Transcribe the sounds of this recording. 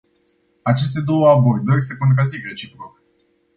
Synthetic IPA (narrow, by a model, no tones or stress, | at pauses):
at͡ʃe̞s̬t̪e̞d̪o̞wəabo̞rd̪ərʲse̞kont̪̬ɾazikɾet͡ʃipɾok